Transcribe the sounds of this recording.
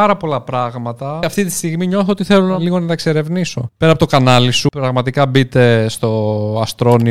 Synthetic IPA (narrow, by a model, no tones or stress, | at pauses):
ɐɾɐpo̞lɐpɾɐɣmɐt̪ɐɐft̪it̪ist̪iɣmiɲo̞θoot̪iθe̞lonɐliɣo̞nɐt̪ɐkseɾe̞vniso̞peɾɐpot̪o̞kɐnɐlisupɾɐɣmɐt̪ikɐbit̪e̞st̪o̞ɐst̪ɾo̞ni